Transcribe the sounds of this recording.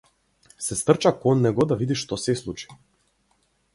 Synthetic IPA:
sɛst̪r̩t͡ʃakɔnːɛɡɔd̪avid̪iʃt̪ɔsɛslˠut͡ʃi̥

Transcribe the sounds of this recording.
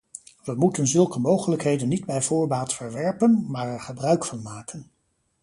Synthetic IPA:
ʋəmutənzɵlˠkəmowχələkɦejdənːidbɛjvʊːɹbaːtfəɹʋɛɹpənmaːɹɛɹχəbrœɥkfɑnmaːkən

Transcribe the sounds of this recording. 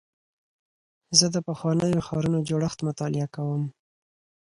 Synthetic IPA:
zəd̪əpəxwɑnəjoxɑɾunod͡ʒoɽəxt̪mʊt̪ɑlɪakawəm

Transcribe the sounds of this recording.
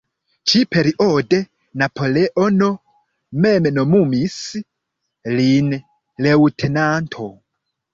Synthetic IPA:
t͡ʃipʰeɾiʔode | napʰo̞leʔono | mɛmnomumis | lin | lewutʰenantʰo

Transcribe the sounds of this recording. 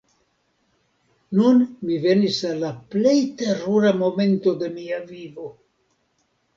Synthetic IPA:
nunmive̞nisalːaple̞jte̞ɾuɾamo̞me̞nto̞d̪e̞miavivo̞

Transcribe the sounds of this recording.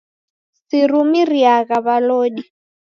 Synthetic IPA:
sirumiriakaβaloːɗi

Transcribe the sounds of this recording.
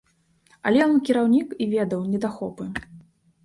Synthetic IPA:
ɐ̰lʲɛjɔnkʲiɾawnʲikivʲɛd̪ɐwnʲɛd̪axɔpɨ

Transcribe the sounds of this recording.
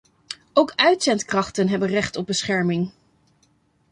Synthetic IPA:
owkœɥtsɛntkrɑχtənɦɛbənrɛχtɔb̚bəsχɛɹmɪŋ

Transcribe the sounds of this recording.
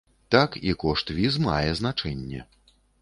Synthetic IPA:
t̪akikɔʂt̪vʲizma̰jɛznat͡ʂɛnʲːɛ̰

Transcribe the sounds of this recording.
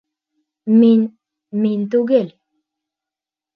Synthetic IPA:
min | mint̪uɡel

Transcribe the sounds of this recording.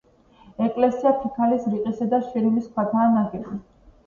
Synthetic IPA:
ɛkʼlɛsiapʰikʰalisɾiqʼisad̪aʃiɾimiskʰwat̪ʰaːnaɡɛbi

